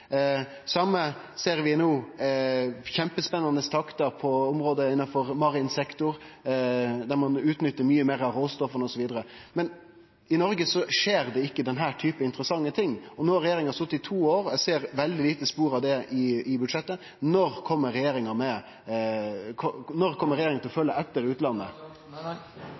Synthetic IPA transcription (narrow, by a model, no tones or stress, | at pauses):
sɑmːə | seːɾʋɪnoː | çɛmpəspɛnːɑnəst̪ʰɑkt̪ɑɾpʰɔʊmɾoːd̪əɪnːɑfɔɾmɑɾɪɪnsɛkt̪ʊɾ | d̪æɾmɑnʉːt̪nʏt̪ːəɾmyːəmeːɾɑʋɾoːst̪ɔfənəɔsɔʋiːd̪əɾə | mɛn | ɪnɔɾɡəsɔʂeːɾd̪ɛɪkːəd̪ɛnɦæːʈʰyːpəɪnt̪ɾəsɑŋːət̪ʰɪŋːɔnoːɑɾɛjeːɾɪŋɑst̪ʊt̪ːɪt̪ʰuːoːɾɛseːɾʋɛld̪ɪliːt̪əspuːɾɑʋd̪ɛɪɪbʉd̪ʂɛt̪ːə | nɔɾkʰɔmːəɾɛjeːɾɪŋɑmɛ | kʰɔnɔɾkʰɔmːəɾɛjeːɾɪŋɑt̪ɪlɔfœlːəʔɛt̪ːəɾʉːt̪lɑnːə